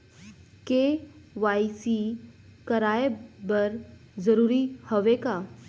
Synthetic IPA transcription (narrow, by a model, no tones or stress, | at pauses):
keʋaisikəɾaːebəɾ | zəɾuːɾihəʋeka